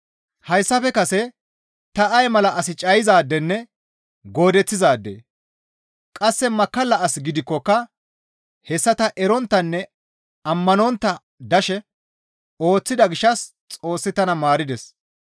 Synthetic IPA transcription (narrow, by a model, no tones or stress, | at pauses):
hɐjsːɐfɛkɐsɛ | t̪ɐʔɐjmɐlɐʔɐsɪt͡ʃʼɐjɪzaːd̪ːɛnːɛ | ɡo̞ːd̪ɛt͡sːɪzaːd̪ːḛː | kʼɐsːɛmɐkːɐlːɐʔɐsɡɪd̪ɪkːɔkːɐ | hɛsːɐt̪ɐʔɛɾɔnt̪ːɐnːɛ | ɐmːɐnɔnt̪ːɐ | d̪ɐʃɛ | o̞ːt͡sːɪd̪ɐɡɪʃːɐs | t͡sʼo̞ːsːɪt̪ɐnɐmaːɾɪd̪ɛs